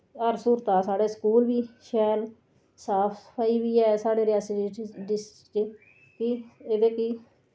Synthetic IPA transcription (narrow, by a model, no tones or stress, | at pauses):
əɾsuːɾt̪aːsaːɽeːskuːlbiːʃɛːl | saːpʰpʰaːiːʋiːɛːsaːɖeːɾɪjaːsiɖɪsʈkt͡ʃe | kieːd̪eːkiː